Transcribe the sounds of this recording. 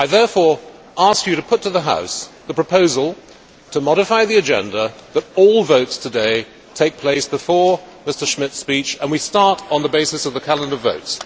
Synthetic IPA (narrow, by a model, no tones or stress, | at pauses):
aɪðɛɹfɔɹ | ʔɑskjɨɾɨpʰʊtʰɨðəɦa̰ʊsðəpʰɹ̥əpʰoʊzəl̩ˠ | tʰəmɑɾɨfaɪðiɨd͡ʒɛ̰̃ndəðəɾɔlˠvoʊtstʰɨdeɪ | tʰeɪk̚pʰl̥eɪsb̥ɨfɔɹ | mɪstə˞ʃmɪtspit͡ʃə̃nwistɑɹɾn̩ðəbeɪsɨsʌvðɨkʰælˠə̃ndə˞voʊts